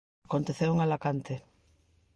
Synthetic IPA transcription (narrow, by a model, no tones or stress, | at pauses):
kont̪eθewuŋalakant̪e